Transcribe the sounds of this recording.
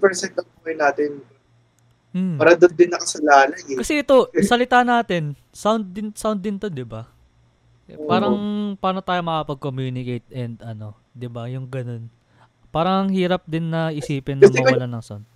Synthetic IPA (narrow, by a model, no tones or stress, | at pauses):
pɛɹsɛnt̪ɐpokɐjnaːt̪ɛn | m̩aːɾɐd̪ond̪ɪnːɐkɐsɐlaːlɐɡɛkɐsɛʔɛt̪o̞sɐlɪt̪aːnaːt̪ɛn | sawnd̪̚ɪnsawnd̪ːɪnt̪od̪ɪba | paːɾɐŋpaːɾnot̪aːjomɐkɐpɐɡ̚komjuːnɪkejt̪̚ʔɛnd̪ɐno̞ | d̪ɪbajʊŋɡɐno̞n | paːɾɐŋhiːɾɐp̚d̪ɪnːɐʔɪsiːpɪnːɐmɛɐwɐlanɐŋsawnd̪̚